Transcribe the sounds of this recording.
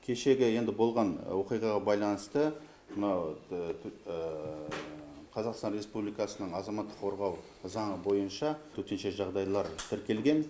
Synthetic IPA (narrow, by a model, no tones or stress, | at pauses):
kʲʰe̞ʃe̞ɡʲɪje̞nd̪ɪbo̞lˠʁɑnwo̞qijʁɑʁɑbɑjlˠɑnəst̪ə | mənɑw | qʰɑzɑqst̪ɑnɾe̞spublijkɑsənəɴɑzɑmɑt̪ːə̥qʰo̞ɾʁɑw | zɑɴəbo̞jənʃɑt̪ʰɵt̪e̞nʃeʒɑʁd̪ɑjlˠɑɾt̪ʰɪɾkʲe̞lɡʲe̞n